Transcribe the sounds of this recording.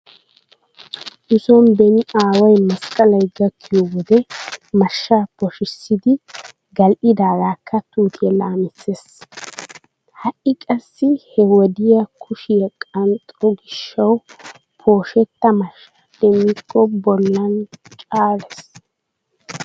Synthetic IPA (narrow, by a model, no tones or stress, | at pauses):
ʔɪsɔnbɛnɪaːwɐjmɐskʼɐlɐjɡɐkːɪjɔwɔd̪ɛmɐʃːapɔʃɪsːɪd̪ɪ | ɡɐlʔɪd̪aːɡaːkːɐt̪uːt̪ʰɪjɛlaːmɪsːes | hɐʔɪkʼɐsːɪhɛwɔd̪ɪjɐkʰʊʃɪjɛkʼɐnt̪ʼːɔɡɪʃːɐw | pʰo̞ːʃɛt̪ːɐmɐʃːad̪̥ɛmːɪkʰːɔbɔlːɐnt͡ʃʼaːɾɛs